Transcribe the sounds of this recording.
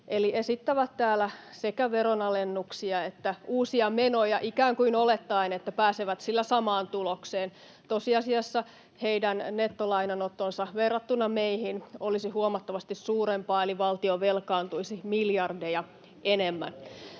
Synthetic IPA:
ʔeliʔesit̪ːæʋæt̪t̪æːlæsekæʋeɾonɑlenːuksiɑet̪ːæʔuːsiɑmenojɑʔikæːŋkuinolet̪ːɑinet̪ːæpæːseʋæt̪silːæsɑmɑːnt̪ulokseːn | t̪osiɑsiɑsːɑ | heidænnet̪ːolɑinɑnot̪ːonsɑʋerːɑt̪ːunːɑmeihinolisihuomɑt̪ːɑʋɑst̪issuːɾempɑːeliʋɑlt̪ioʋelkɑːnt̪uisimiljɑrdejɑ | ʔenemːæ̰n

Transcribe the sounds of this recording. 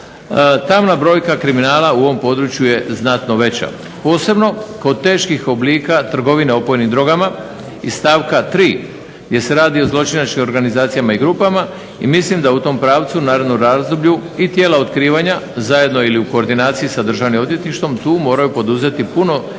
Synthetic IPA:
t̪amnabɾo̞ːjkakɾiminaːlauo̞ʋo̞mpo̞d̪ɾut͡ɕjuje̞znat̪no̞ʋe̞t͡ɕa̰ | po̞ːse̞bno̞kod̪̚t̪e̞ːʃkixo̞bliːkat̪r̩ɡo̞ʋineo̞po̞jnimd̪ɾo̞ɡama | ist̪aːʋkat̪ɾiː | ɡd̪jese̞ɾaːd̪io̞zlˠo̞t͡ʃinat͡ʃkimo̞ɾɡanizaːt̪sijamaiɡɾuːpama | ḭmislimd̪aut̪o̞mpɾaːʋt̪sunaːɾed̪nuɾazd̪obʎuit̪je̞ːlao̞t̪kɾiːʋaɲazaje̞d̪noiliuko̞ːɾd̪inaːt̪sijisad̪r̩ʒaʋnimo̞d̪je̞t̪iʃt̪ʋo̞mt̪uːmo̞ːɾajupo̞d̪uze̞t̪ipuno̞

